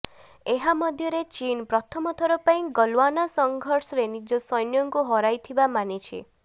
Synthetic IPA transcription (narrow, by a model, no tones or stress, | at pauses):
eɦamɔd̪ʱjɔɾet͡ʃinpɾɔt̪ʰɔmɔt̪ʰɔɾɔpaĩɡɔlwanasɔŋɡʱɔɾsɔɾenid͡ʒɔsɔjnjɔŋkuɦɔɾajt̪ʰibamanit͡ʃʰḭ